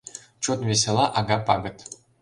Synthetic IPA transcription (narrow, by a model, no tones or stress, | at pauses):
t͡ɕot̪ʋʲes̬ʲelˠɑʔɑɡɑpɑɡɤ̆t̪